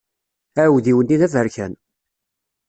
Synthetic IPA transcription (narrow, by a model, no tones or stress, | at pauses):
æwðiwənːiðævəɾçæn